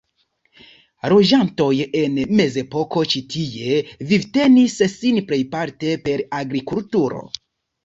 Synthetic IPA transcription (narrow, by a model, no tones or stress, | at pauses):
ɾod͡ʒanto̞je̞nme̞ze̞po̞ko̞t͡ʃitʰie̞vivte̞nissinple̞jpaɾte̞pe̞ɾaɡɾikultuɾo̞̰